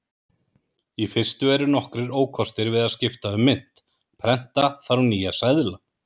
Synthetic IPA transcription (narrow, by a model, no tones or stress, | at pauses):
ifɪr̥st̪ʏɛɾʏnɔhkɾɪɾoːwkʰɔst̪ɪɾvɪðaðscɪft̪aʏmːɪn̥t̪ | pʰɾɛn̥t̪aθaɾwniːjasaðla